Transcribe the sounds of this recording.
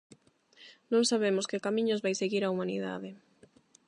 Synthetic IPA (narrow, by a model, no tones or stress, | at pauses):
nõŋsaβemʊskɪkamĩɲozβajseɣiɾaumanḭða̰ðɪ